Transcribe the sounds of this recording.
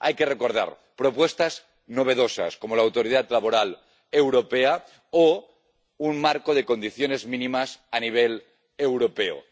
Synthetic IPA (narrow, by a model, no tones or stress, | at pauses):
a̰jkereko̞ɾð̞a̰ɾ | pɾo̞pwe̞st̪az | no̞β̞e̞ðo̞sa̰sko̞molawt̪o̞ɾiðat̪laβoɾal | ewɾo̞pe̞a | o | unmaɾkoð̞e̞ko̞nd̪iθjo̞ne̞zmĩnimasaniβ̞el | ewɾo̞peo̰